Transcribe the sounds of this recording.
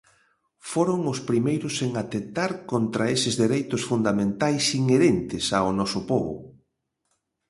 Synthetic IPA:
foɾoŋʊspɾimejɾʊseŋat̪ent̪aɾkont̪ɾaesɪzðeɾejt̪ʊsfund̪amẽnt̪ajsiŋeɾent̪ɪsaonɔsʊpoβʊ̰

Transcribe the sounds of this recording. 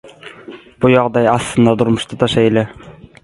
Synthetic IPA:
b̥ʊjɒʁd̪ɑjɑst̪ɨnd̪ɑd̪ʊɾmʊʃt̪ʰat̪ʰɑʃajlɪ

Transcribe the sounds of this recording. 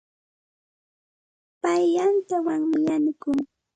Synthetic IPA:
pajːant̪awaŋmɪjanɪkʊŋ

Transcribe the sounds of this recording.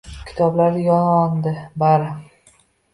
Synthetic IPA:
kʲʰɪ̥t̪ʰɒblaɾjɒnɒnd̪ɪbaɾɪ

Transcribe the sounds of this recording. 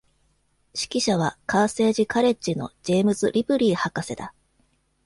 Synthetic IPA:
ɕi̥kʲiɕaβ̞akaːse̞ːʑikaɾe̞t͡ɕino̞̰d͡ʑe̞ːmɯ̟zɨɾʲʔipɯ̟ɾʲiːhakase̞d̪a

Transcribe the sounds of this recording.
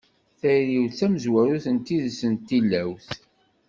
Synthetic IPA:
θæɾiwθæməzwæɾuθənt̪iðsənt̪ːilːæwθ

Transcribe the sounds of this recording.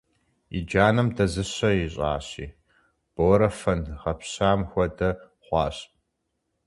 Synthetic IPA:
ḭd͡ʒaːnɐmdɐzɨɕɐjiɕʼa̰ːɕḭː | b̥oːɾɐfɐnʁɐpɕaːmxʷɔdɐ | χʷɑːɕʼ

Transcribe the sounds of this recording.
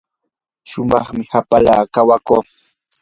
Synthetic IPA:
ʃʊmɑχmɪhapala̰ːkawakoː

